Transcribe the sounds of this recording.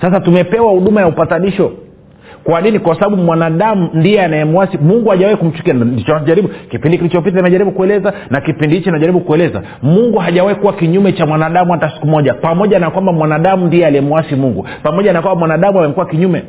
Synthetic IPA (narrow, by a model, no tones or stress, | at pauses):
sas̬atumɛpɛwahuɗumajaupataɗiʃɔ | kwaninikwasaɓaɓumwanaɗamundiɛanajɛmuwasimuŋɡuhaʄawahikum̩t͡ʃu̥kianndit͡ʃɔaʄaɾiɓukipindikilit͡ʃɔp̬itanimɛʄaɾiɓukuɛlɛzanakipindihit͡ʃɔnaʄaɾiɓukuɛlɛza̰ | muŋɡuɦaʄawahikuwakiɲumɛt͡ʃamwanaɗamuhatasi̥kumɔʄapamɔʄanakwambamwanaɗamundiɛaliɛmuwasimuŋɡu | pamɔʄanakwambamwanaɗamuamɛmkuwakiɲumɛ